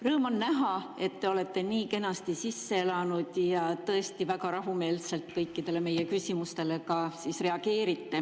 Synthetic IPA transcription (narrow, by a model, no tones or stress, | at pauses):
rɤːmo̞nːæɦɑe̞t̪ːe̞o̞le̞t̪ːe̞niːke̞nɑst̪isisːeelɑnud̪̥jɑt̪ɤe̞st̪ivækɑɾɑɦume̞ːlse̞lt̪kɤjkːid̪̥e̞le̞me̞jekysʲimust̪e̞le̞kɑsisre̞ɑɡ̥e̞ːɾit̪ːe̞